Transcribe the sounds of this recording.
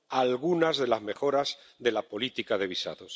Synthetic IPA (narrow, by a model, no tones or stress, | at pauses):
alɣunazðe̞lazme̞xo̞ɾaz | ðe̞lapo̞lit̪ikaðe̞β̞isa̰ðo̞s